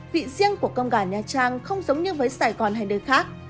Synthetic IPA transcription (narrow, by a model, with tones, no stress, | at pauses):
vḭ˧˨zi˧əŋku˧˩əkə˧wŋ͡mɣaː˧˩ɲaː˨˩t͡ɕaː˧ŋxə˧wŋ͡mzə˨˦wŋ͡mɲɨ˧vəː˨˦jsaː˧˩jɣɔ˨˩nɦa˨˩jɗəː˨˩jxaː˦˥k̚